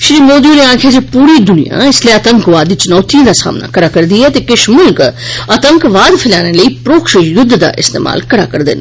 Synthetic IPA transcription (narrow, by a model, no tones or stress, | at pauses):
ʃɾiːmoːd̪iuneãːkʰaːd͡ʒeːpuːɾiːd̪ʊnḭja̰ɪslieət̪əŋkʋaːd̪iːt͡ʃʊnɔːt̪ʰĩd̪aːsa̰ːmna̰ːkəɾaːkəɾd̪iɛːt̪eːkɪʃmʊlkət̪əŋkʋaːd̪pʰɪla̰ːneləiːpɾoːkʃəjʊd̪ʱːd̪a̰ːʔɪst̪ḛːma̰ːlkəɾa̰ːkəɾd̪ɪ̰n